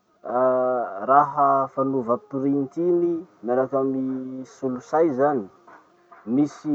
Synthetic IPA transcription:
raɦəfanuvat̪uɾint̪inimaɾakamisulusajzani̥ | misi

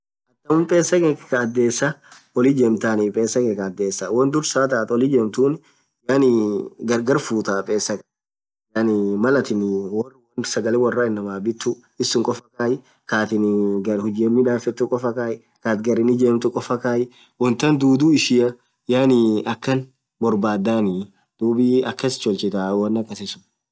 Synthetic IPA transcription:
ʔɐt̪ːɐmʊmpʼeːsːɐkɛkkɐːd̪ːeːsːɐ | ɔlɪd͡ʒeːmt̪aːnɪpʼeːsːɐkɛkɐːd̪ːeːsːɐwɐnd̪ʊɾsaːt̪aːt̪ɔlɪd͡ʒeːmt̪uːnɪ | jaːnɪɡɐɾɡɐɾfuːt̪apʼeːsːɐkʼɐ | jaːnɪmɐlɐt̪ɪnwɔwɐnsɐɡɐlɛwɐrːaɪnːɐmaːbɪt̪ːʊ | ɪsːʊŋkʼɔfɐkaːjɪ | kaːt̪ɪnɡɐɾhʊd͡ʒeːmːɪᶑaːfɛt̪ːʊkʼɔfɐkaːjɪ | kaːt̪ɡɐɾɪnɪd͡ʒeːmt̪ʊkʼɔfɐkaːjɪ | wɔnt̪ɐnd̪uːd̪uːɪʃɪɐ | jaːnɪɐkːɐn | bɔɾbaːd̪ːaːnɪ | d̪̥uːbɪɐkːɐst͡ʃɔlt͡ʃɪt̪aːwɐnːɐkːɐsɪsʊ̥

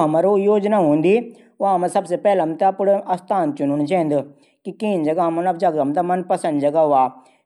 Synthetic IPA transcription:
ɦɐmaːɾojoːd͡ʒnaːɦõːnd̪i | ʊãːmɐ̃sɐbsepɛːlɐmt̪apʊɽɐst̪ʰaːnt͡ʃʊnʊñt͡ʃʰẽːnd̪ʊ | kikiːnd͡ʒɐɡamɐnɐbd͡ʒɐɡɐmt̪amɐnpɐsɐ̃nd̪d͡ʒɐɡaɦʊaː

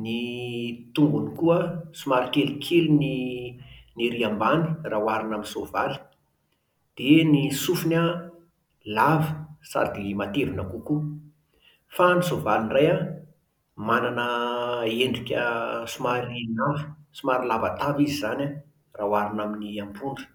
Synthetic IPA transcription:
nit̪uŋɡunikuəsumaɾikelikʲʰelini | neɾiambani̥rawaɾinaminsovaɾi̥ | d̪̥enisufuna | lavə̥sa̰d̪imat̪evinakuku | fanisovalinraja | mananəeɳɖ͡ʐikʲə̰sumaɾinavə̥sumaɾilavat̪avizizana | rawaɾinaminiambuɳɖ͡ʐə̥

